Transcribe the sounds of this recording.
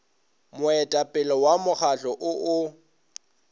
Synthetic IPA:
mʊɛtʼapʼɪlɔwamʊk͡xaɬɔʔʊʔʊ

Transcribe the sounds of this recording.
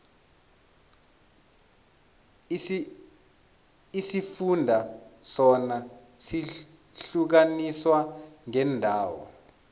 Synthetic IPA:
isifundʱasɔna | si | ɬuk̬aniswaŋɛndʱaːwɔ̰

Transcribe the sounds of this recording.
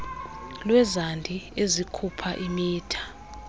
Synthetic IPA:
lwɛzandʱiezikʰupʰaʔimiːtʰḁ

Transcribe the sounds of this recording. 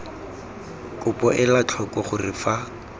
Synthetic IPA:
kʼʊpɔʔɪlat͡ɬʰɔkʼɔχʊrɪfa

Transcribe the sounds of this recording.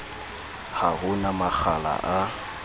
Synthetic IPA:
hahʊnamak͡xʰala̰ʔa

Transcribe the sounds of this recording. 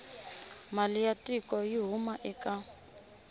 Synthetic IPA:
malijatʼikɔjiɦumaʔɛkʼa

